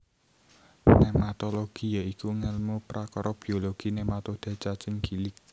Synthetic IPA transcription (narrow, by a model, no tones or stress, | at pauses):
nemat̪ɔloɡ̥ijaikuŋəlmupɾakɔɾɔb̥i̤oloɡ̥inemat̪od̪̥a̤t͡ʃat͡ʃəŋɡilɪk̚